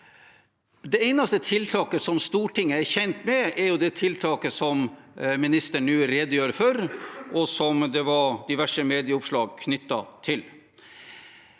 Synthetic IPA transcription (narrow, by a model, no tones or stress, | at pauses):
d̪ɛæɪnɑst̪ət̪ʰɪlt̪ʰɑːkəsɔmst̪uːʈʰɪŋːəæɾçɛnt̪mɛæɾjʊd̪ɛt̪ʰɪlt̪ʰɑːkəsɔmmɪnɪst̪əɳːʉːɾeːd̪əjøːɾfœɾʔɔsɔmd̪ɛʋɑɾd̪ɪʋæʂəmeːd̪ɪəʊpʂɭɑːɡkʰnʏt̪ːɑ̰t̪ʰɪl